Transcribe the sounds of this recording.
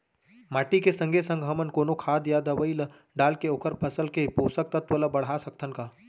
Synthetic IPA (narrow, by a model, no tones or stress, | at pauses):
maːʈikesə̃ŋɡʱesə̃ŋɡɦɐmənkoːnokʰaːd̪jad̪əʋəil | ɖaːlkeoːkʰəɾpʰəsəlkepoːsək̚t̪ət̪ʋələbɐɽ̤asɐk̚t̪ʰənkaː